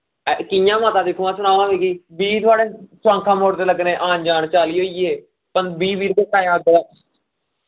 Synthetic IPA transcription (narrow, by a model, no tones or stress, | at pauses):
kɪjãːmãːt̪ãːd̪ɪkʰːoːãːsʊɽaːʋãːʋiːkiːbiːt̪ʊaːɽeːsʋãːŋkʰãːmoːɽt̪eːləɡnẽːʔaːnd͡ʒaːɳt͡ʃaːliːɦoːiːɦeː | pənbiːbiːɾbeːkaːjãːɡəɾaː